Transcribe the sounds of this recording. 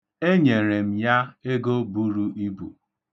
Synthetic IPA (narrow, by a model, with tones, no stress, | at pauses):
e˦ɲe˨ɾe˨m̩˦ja˦e˦ɡo˦bu˦ɾu˦i˦bṵ˨